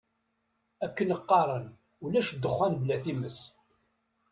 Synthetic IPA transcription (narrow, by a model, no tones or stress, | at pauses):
ækːənəqːɑɾˤən | ulæʃd̪əχʷːænblæθiməs